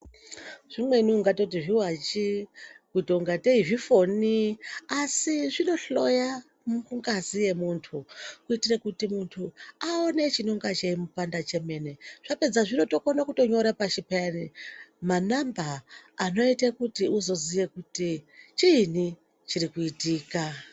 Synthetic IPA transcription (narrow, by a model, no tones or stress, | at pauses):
ʐ̥imwe̞niuŋɡato̞t̬iʐiwat͡ʃikuitouŋɡateiʐifo̞niasiʐino̞ɬo̞ja | mukuŋɡazijemuntʰukuitirekutimuntʰuaone̞t͡ʃino̞ŋɡat͡ʃeimupandat͡ʃe̞me̞ne̞ʐ̥ape̞d͡zaʐino̞to̞konakuto̞ɲo̞ɾapaʃipenimanambaːno̞itekutiuzo̞zijekutit͡ʃiːni | t͡ʃiɾikuitiːka